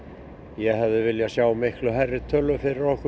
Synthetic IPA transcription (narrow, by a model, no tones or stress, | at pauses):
jɛɦɛvðɪvɪljasjaːwmɪhklʏɦɛrːɪt̪ʰœlːʏfɪɾɪɾɔhkʏ